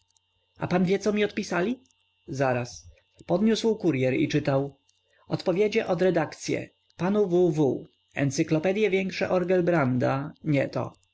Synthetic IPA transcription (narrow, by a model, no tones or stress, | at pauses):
a̰panvʲjɛt̪sɔmʲiɔt̪pʲisalʲi | zaɾas | pɔd̪ɲuswkuɾjɛɾḭt͡ʂɘt̪aw | ɔt̪pɔvʲjed͡ʑɛʔɔd̪ɾɛd̪akt̪sʲjɛ̰ | panuvuvu | ɛ̰nt̪sɘklɔpɛd̪jɛvʲjɛŋkʂɛ̰ʔɔɾɡɛlbɾand̪aɲɛ̰t̪ɔ̰